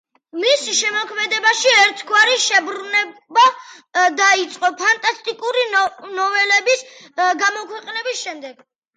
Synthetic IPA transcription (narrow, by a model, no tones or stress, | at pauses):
misʃɛmɔkʰmɛd̪ɛbaʃiɛɾt̪ʰɡwaɾiʃɛbɾunɛbad̪ait̪sʼqʼɔpʰant̪ʼast̪ʼikʼuɾinɔvɛlɛbisɡamɔkʰwɛqʼnɛbisʃɛmd̪ɛɡ̥